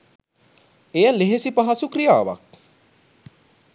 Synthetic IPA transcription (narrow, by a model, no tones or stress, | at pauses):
ejɐleɦesipɐɦɐsukɾija̰ːʋa̰k̚